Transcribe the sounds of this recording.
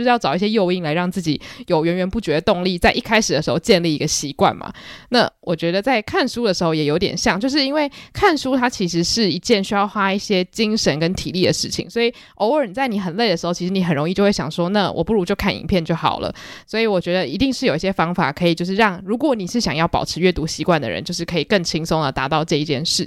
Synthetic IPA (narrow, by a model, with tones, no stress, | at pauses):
o˧ʂ̩ɻ̩˥˧jɑ˥˩ʊt͡sɑ˨˩ʊi˥˩ɕjɛ˥jo˥˧ʊi˥˩ŋla˧˦ɪɻɑ˥˧ŋt͡sɹ̩˥˩t͡ɕḭ˨˩˦jo˨˩ʊɥɛ˧˥nɥɛ˧˥npu˥˩t͡ɕɥɛ˧˦d̪ə˧t̪ʊ˥˧ŋli˥˩t͡sa˥˧ɪʔi˥˩kʰa˥ɪʂɻ̩˨d̪ə˨ʂɻ̩˧˥xo˥˧ʊt͡ɕjɛ˥˧nli˥˩i˧˥ɡ̥ə˧ɕi˧˥kwa̰˥˩nma̰˨˩na̰˥˩wʔɔ˨˩t͡ɕɥɛ˧˥d̪ə˧t͡sa˥˧ɪkʰa˥˩nʂu˥d̪ə˨ʂɻ̩˧˥xo˥ʊjɛ˨˩jo˧˥t̪jɛ̰˨˩nɕjɑ˥˧ŋt͡ɕjo˥˧ʊʂ̬ɻ̩˥˩i˥nwe˥˩ɪkʰa˥˩nsu˥t̪ʰa˥t͡ɕʰi˧˥ʂɻ̩˧˥ʂɻ̩˥˩i˧˥t͡ɕjɛ˥˩nɕy˥jɑ˥˩ʊxwa˦˥i˥˩ɕjɛ˥t͡ɕi˥ŋʂə˧˦nkə˦˥nt̪ʰḭ˨˩li˥˩d̪ə˩ʂɻ̩˥˩t͡ɕʰḭ˨˩ŋswɔ˧˥i˨˩ | ʔo˥ʊə˞˨˩n˩t͡sa˥˩ɪni˨˩xə˨˩nle˥˩ɪə˩ʂɻ̩˧˥xo˥˩i˧˥ʂɻ̩˧˥ni˧˥xə˨˩nɻo˧˥ŋi˥˧t͡ɕo˥˧wɕjɑ̰˨˩ŋʂwɔ˥na˥˧wɔ̰˨˩pu˥˩ɻu˧˥t͡ɕjo˥˧ʊkʰa˥˩nḭ˧˥ŋpʰjɛ˥˧nt͡ɕjo˥˩ʊxɑ̰˨˩ʊlʔə̰˦swɔ˧˥i˨˧wɔ˨˩t͡ɕɥɛ˧˥d̪ə˧i˧˥t̪i˥˧ŋʂɻ̩˥˩jo˨˩ʊi˥ɕjɛ˥fɑ˥ŋfa̰˨˩kʰɤ˧˥i˨˩t͡ɕjo˥˧ʊʂ̬ɻ̩˥˧ɻɑ˥˩ŋɻu˧˥kwɔ˧˥ni˨˩ʂɻ̩˥˩ɕjɑ˨˩ŋjɑ˥˩ʊpɑ̰˨˩ʊʈ͡ʂʰɻ̩˧˥ɥɛ˥t̪u˧˥ɕi˧˥kwa˥˩nd̪ə̰˨˩ɻə̰˦t͡ɕo˥˧ʊʂ̬ɻ̩˥˩kʰɤ˧˥i˨˩kə˥˩ŋt͡ɕʰi˥ŋsʊ˥ŋd̪ə˨˩t̪a˧˥t̪ɑ˥˧ʊʈ͡ʂɤ˥˧i˧t͡ɕjɛ˥˧nʂɻ̩˥˩